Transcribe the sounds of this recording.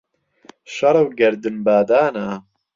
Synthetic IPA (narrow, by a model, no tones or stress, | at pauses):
ʃɐɾˤɨwɡɐɾd̪ɨnbaːd̪aːnaː